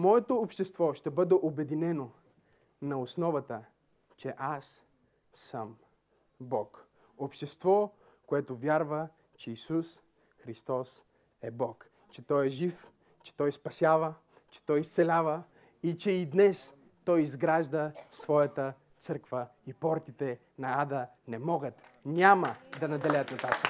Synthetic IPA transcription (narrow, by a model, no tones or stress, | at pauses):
mɔɛt̪oːpʃt̪ɛst̪vɔʃt̪ɛbɤd̪ɛʔobɛd̪inɛno | nɐosnɔvɐt̪ə | t͡ʃɛʔasː | əm | bɔk | opʃt̪ɛst̪vɔ | koɛt̪ovʲjaɾvə | t͡ʃɛisus | xɾist̪ɔs | ɛbɔk | t͡ʃɛt̪ɔjɛʒif | t͡ʃɛ̥t̪ɔjspɐsʲavə | t͡ʃɛ̥t̪ɔjist̪sɛlʲavə | it͡ʃɛid̪nɛs | t̪ɔjizɡɾaʒd̪əsvɔjət̪ə | t̪sɤɾkvəipɔɾt̪it̪ɛ | nɐad̪ə | nɛmɔɡət̪nʲaməd̪ɐnɐd̪ɛlɛjət̪nɐt̪at̪ə